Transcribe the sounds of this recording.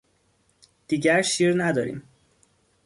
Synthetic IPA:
d̪̥iːɟæɾʃiːɾnæd̪ɒːɾḭːm

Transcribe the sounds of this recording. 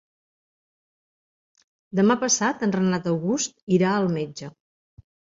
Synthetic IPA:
d̪əmapəsat̪ənrənat̪əwɣust̪iɾaəlˠmed͡ʒə

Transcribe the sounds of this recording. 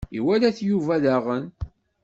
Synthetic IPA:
ḭwælæθjuvæðaʁən

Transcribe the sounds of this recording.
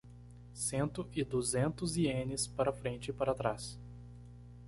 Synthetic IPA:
sẽnt̪ʊʔɪd̪uzẽnt̪ʊziẽnɪspaɾɐfɾẽnt͡ʃɪpaɾɐat̪ɾas

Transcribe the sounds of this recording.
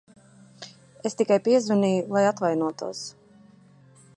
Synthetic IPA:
est̪ikajpiɛzvaniːjulˠajat̪vajnuɔt̪ṵɔs

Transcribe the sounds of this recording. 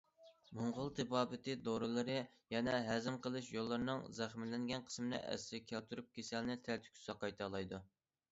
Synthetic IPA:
muɴʁʊlˠt̪ʰɨbɑːbɨt̪ɨd̪oɾɨlˠɨɾɨ | jɛnɛɦæzɪmqʰəlˠɨʃjolˠːɨɾnɨŋzæχmɪlɪŋɡʲɛnqʰə̥smɨnɨ̰ʔæ̰sɪɾɪkʲʰælt̪ʰuɾup̚kʲʰesɛlnɪt̪ʰælt̪ʰy̥kʲʰy̥sɑqɑjt̪ʰɑlˠɑjd̪u

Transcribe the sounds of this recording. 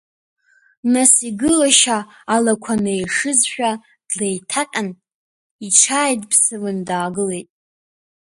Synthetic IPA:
nasiɡɨlaʃaː | lakʷʰanejʂɨzʃᶣa | d̥le̞jtʰakʼan | iʈ͡ʂʰaːjdʼpʰsɨlɨndaːɡɨle̞jtʼ

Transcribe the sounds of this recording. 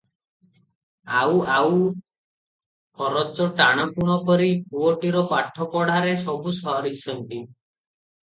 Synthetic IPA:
awaw | pʰɔɾɔt͡ʃɔʈaɽ̃ɔpuɽ̃ɔkɔɾipuɔʈiɾɔpaʈʰːɔpɔɽ̤aɾesɔbusɔɦɔɾisʰɔnʈi

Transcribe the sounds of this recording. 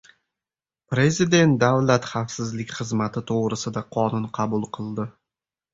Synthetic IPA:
pɾe̞zid̪e̞nt̪̚d̪avlat̪χafsɪzlɪkʲχɨzmat̪ʰɪt̪ʰoʁɾɪsɪd̪aqʰɒnʊnqʰɑbʊlˠqʰɨlˠd̪ɪ

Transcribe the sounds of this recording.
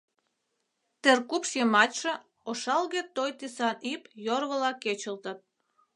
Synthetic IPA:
t̪erkupʃjemɑtʲʃĕ | oʃɑlɣet̪ojt̪isɑnipjorβəlɑket͡ɕəlt̪ət̪̚

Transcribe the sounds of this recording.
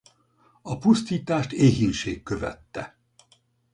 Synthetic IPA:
ɒpust̪iːt̪aːʃt̪eːɦinʃeːkːøvɛ̰t̪ːɛ

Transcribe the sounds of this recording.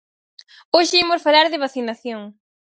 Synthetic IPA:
oʃɪimosfalaɾðɪβaθinaθjoŋ

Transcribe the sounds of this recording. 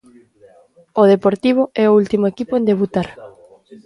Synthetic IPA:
oð̞epoɾt̪iβ̞oɛoult̪imoekipoẽnd̪eβut̪aɾ

